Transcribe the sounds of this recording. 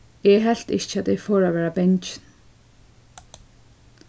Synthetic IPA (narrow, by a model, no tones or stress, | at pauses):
ɛɦɛl̥t̪ɪ̰ht͡ʃat̪ɛjfoːɹaʋɛːɹabɛɲt͡ʃɪ̥n